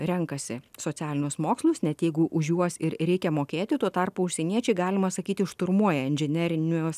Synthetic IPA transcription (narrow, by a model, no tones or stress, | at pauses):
ɾʲɛŋkɐsʲɪsoːt̪ʲæːlʲɪnʲʊsmoːkslˠʊsnʲɛt̪jɛɪɡʊʔʊʒʲjuɔsɪɾɾʲɛɪkʲɛmoːkʲeːt̪ʲɪt̪uɔt̪ɑrpʊʊʃʲsʲɛnʲiɛt͡ʃʲɛɪɡɑːlʲɪmɐsɐkʲiːt̪ʲɪɪʃt̪ʊɾmuɔjɛɪnʲʒʲɪnʲɛɾʲɪnʲoːs